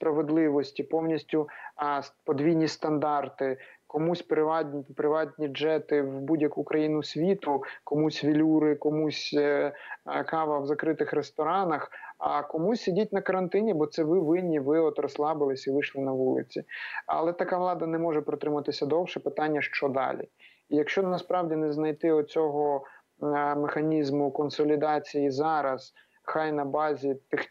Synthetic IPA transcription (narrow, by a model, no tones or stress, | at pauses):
spɾɐʋed̪lˠɪʋɔsʲtʲipɔwnʲisʲtʲʊspɔd̪ʋʲijnʲist̪ɐnd̪ɑrt̪ɪkɔmusʲpɾɪʋɑdʲnʲipɾɪʋɑtʲnʲid͡ʒɛt̪ɪwbudʲjɐkukɾɐjinʊsʲʋʲit̪ʊkɔmusʲʋʲilʲuɾɪkɔmusʲ | kɑʋɐwzɐkɾɪt̪ɪxɾest̪ɔɾɑnɐxɐkɔmusʲsʲidʲit̚ʲnɐkɐɾɐnt̪ɪnʲibɔt̪sɛʋɪʋɪnʲːiʋɪɔt̪ɾɔslˠɑbɪlˠɪsʲiʋɪʃlˠɪnɐʋulˠɪ̰t͡sʲiɐ̰lˠɛt̪ɐkaʋlˠɑd̪ɐnɛmɔʒɛpɾɔt̪ɾɪmɐt̪ɪsʲɐd̪ɔwʃɛpɪt̪ɑnʲːɐʃt͡ʃɔd̪ɑ̰lʲḭ | ijɐkʃt͡ʃɔnɐspɾɑwdʲinɛznɐjt̪ɪɔt͡sʲɔɦɔ | mexɐnʲizmʊkɔnsɔlʲid̪ɑt͡sʲijizɑɾɐz̥ | xɑjnɐbɑzʲit̪ɪx